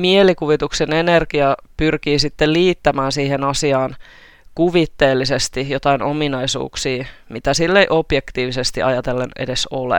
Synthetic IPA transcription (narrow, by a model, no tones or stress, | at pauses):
mielikuʋit̪uksenenerkiɑpyrkiːsit̪ːelliːt̪ːæmæːnsiːhenɑsiɑːn | kuʋit̪ːe̞ːlːisest̪ijot̪ɑinʔominɑisṵːksiːmit̪æsilːeiʔob̥jekt̪iːʋisest̪iʔɑ̰jɑt̪elːenʔḛdesolḛ